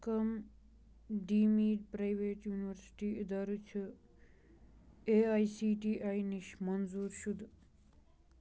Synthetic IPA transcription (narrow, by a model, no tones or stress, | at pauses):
kɐm | ɖiːmiːɖpɾajʋeːʈjuːniʋəɾsi̥ʈiːid̪aɾut͡ʃʰi | eːajsiːʈiːʔajniʃmɐnzuːɾʃud̪